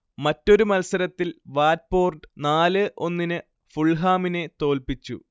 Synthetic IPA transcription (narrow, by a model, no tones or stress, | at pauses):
mɐtːo̞ɾumɐlsɐɾɐt̪ːilʋaːt̚po̞ːrɖɨnaːlɨʔo̞nːinɨ | fuɭɦaːminet̪o̞ːlpit͡ɕːṵ